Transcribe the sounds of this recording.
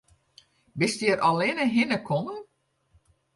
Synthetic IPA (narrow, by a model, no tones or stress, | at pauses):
bɪstjəɾɔlɪnəɦɪnəkʰɔnə